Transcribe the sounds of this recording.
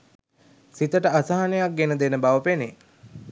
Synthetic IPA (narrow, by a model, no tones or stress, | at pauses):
sit̪əʈəasaɦanejak̚ɡenəd̪enəbaʋəpene